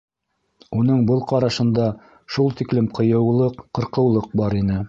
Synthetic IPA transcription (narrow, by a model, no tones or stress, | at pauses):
unɤɴbɤlˠqɑɾɑʃɤ̆nd̪ɑ | ʃulˠt̪iklɘmqɤ̆jɤ̆wlˠɤqːɤ̆ɾqɤ̆wlˠɤq̚bɑɾinɘ